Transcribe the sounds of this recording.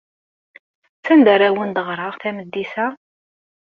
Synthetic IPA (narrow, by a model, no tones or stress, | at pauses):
t͡sːænd̪æɾæwənd̪əʁɾˤɑʁθæməd̪ːisæ